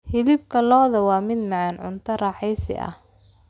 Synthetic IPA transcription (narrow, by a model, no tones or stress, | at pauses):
hɪlɪb̚kʰɐlɔːðɐwɑːmɪd̪mɑʕɑnʕʊnt̪ʰɐrɑːħɛjsɪ̰ʔɐ̰h